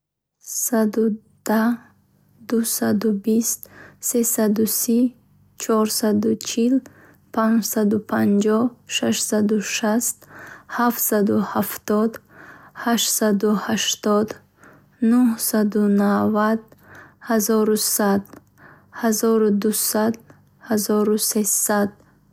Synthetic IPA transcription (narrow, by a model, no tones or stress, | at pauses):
sad̪u | d̪̥a | d̪usad̪ubist̪sesad̪usi | t͡ʃʰɔɾsad̪ut͡ʃʰil | pʰand͡ʒsad̪upʰand͡ʒɔhʃaʃsad̪uʃast̪haft̪sad̪uhaft̪ɔd̪haʃsad̪uhaʃt̪ɔd̪ | nuhsad̪unavad̪hazɔɾusad̪ | hazɔɾud̪usad̪ | hazɔɾusesad̪̥̚